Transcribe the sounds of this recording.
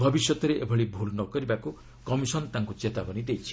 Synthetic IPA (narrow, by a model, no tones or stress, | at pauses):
bʱɔbisjɔt̪ɔɾeʔebʱɔɭibʱulnɔkɔɾibaku | kɔmisɔnt̪aŋkut͡ʃet̪abɔnid̪ejt͡ʃʰi̥